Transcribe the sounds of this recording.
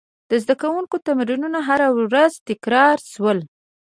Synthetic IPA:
d̪̥əzd̪akawuŋkot̪amɾinunaɦaɾawɾazt̪ɪkɾɑɾʃwəl

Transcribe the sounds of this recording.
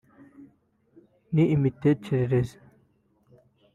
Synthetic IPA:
niʔimit̪ʰːet͡ɕʰeɾɾez

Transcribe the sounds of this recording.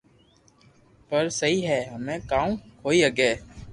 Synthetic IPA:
pəɾsəɦiːɦɛːɦəmẽːkãːũkʰoːiːəɡɛː

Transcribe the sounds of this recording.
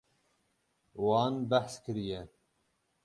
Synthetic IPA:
wɑːnbæħskʰɨɾijɛ

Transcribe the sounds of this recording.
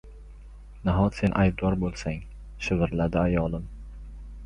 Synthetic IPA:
naɦɒt̪senʔajd̪̚ɒɾbolˠsaŋ | ʃɪvɪɾlad̪ɪajɒlˠɪm

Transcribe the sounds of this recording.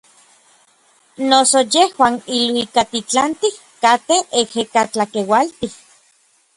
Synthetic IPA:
nosojehwaːnilwikat̪it͡ɬant̪ih | kat̪eehekat͡ɬakewalt̪ih

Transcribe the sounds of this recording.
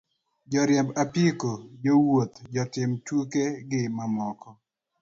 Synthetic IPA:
d͡ʒɔɾjɛmbapikod͡ʒowot̪d͡ʒɔtɪmtukeɡɪmamɔkɔ

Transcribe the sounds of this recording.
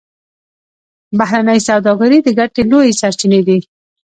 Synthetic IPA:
baɦɾanəjsawd̪ɑɡaɾid̪əɡaʈelojesaɾt͡ʃined̪i

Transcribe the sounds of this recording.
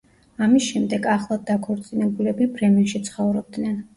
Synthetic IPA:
amisʃɛmd̪ɛɡaχlˠad̪̚ːakʰɔɾt̪sʼinɛbulɛbibɾɛmɛnʃit̪sʰχɔvɾɔb̚d̪nɛn

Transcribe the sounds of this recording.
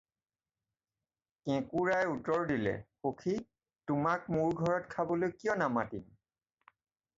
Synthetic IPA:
kɛ̃kuɹajutɔɹdilɛ̰xokʰi | tʊmak̚muɹɡʱɔɹɔtkʰabɔlojkijɔnamatim

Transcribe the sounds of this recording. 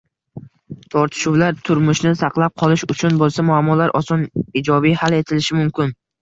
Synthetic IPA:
t̪ʰɒɾt̪ʰɪ̥ʃuwlaɾt̪ʰʊɾmʊʃnɪsɑqlˠap̚qʰɒlˠɪʃʊt͡ʃʰʊnbolˠsamʊamːɒlaɾʔɒsɒnɪd͡ʒɒbijhale̞t̪ʰɪlɪʃɪmʊmkʲɪn

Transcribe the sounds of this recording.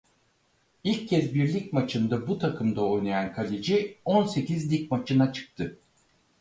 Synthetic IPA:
ilʲcʰːɛzbiɾlʲic̚ʲmat͡ʃʰɯnd̪abut̪ʰakʰɯmd̪ao̞jnajankʰalʲed͡ʒionse̞cizlʲic̚mat͡ʃʰɯnat͡ʃʰɯ̥k̚t̪ʰɯ

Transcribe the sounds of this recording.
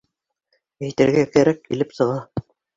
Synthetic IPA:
ɘ̆jt̪ɘɾɡækæɾækːilɘpsɤ̆ʁɑ

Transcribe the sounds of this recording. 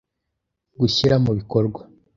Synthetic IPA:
ɡuçiɾamuβikoɾɡwa

